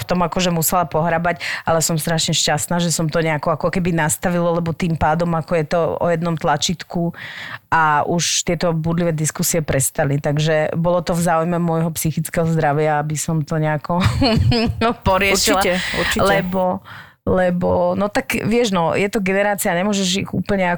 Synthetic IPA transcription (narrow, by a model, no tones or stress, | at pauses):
ft̪ɔmakɔʒɛmusɛlapɔɦɾabacalɛsɔmst̪ɾaʃɲɛʃcast̪naːʒɛsɔmt̪ɔɲɛakɔakɔkɛbinast̪aʋilɔlɛbɔt̪iːmpaːd̪ɔmakɔjɛt̪ɔɔ̰jɛd̪nɔmt̪lat͡ʃit̪kuʔauʃt̪ɪɛt̪ɔbud̪liʋɛd̪iskusiɛpɾɛst̪alit̪aɡʒɛbɔlɔt̪ɔvzaːujmɛmʊɔjɦɔpsixit͡skɛɦɔzd̪ɾaʋɪaabisɔmt̪ɔɲɛakɔ | pɔɾɪɛʃilaulɛbɔ | lɛbɔnɔt̪akʋɪɛʒnɔjɛt̪ɔɡɛnɛɾaːt͡siaɲɛmʊɔʒɛʒiɣṵːpl̩ɲɛa